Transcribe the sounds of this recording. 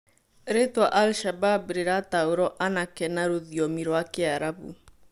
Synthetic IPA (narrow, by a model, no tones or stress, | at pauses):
ɾetwaʔalʃababɾeɾataoɾɔʔanakɛnaɾoðiɔmiɾwakeaɾaβṵ